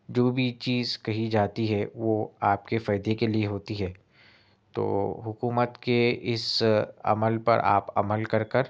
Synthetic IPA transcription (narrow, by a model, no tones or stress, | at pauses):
d͡ʒoːbʱit͡ʃiːzkɐɦid͡ʒaːt̪iɦɛʋoaːp̚kefaːɪd̪ekelieɦoːt̪iɦɛː | t̪o̰ːɦʊkuːmət̪keɪsɐ̰məlpɐ̰ɾa̰ːpɐ̰məlkɐɾkəɾ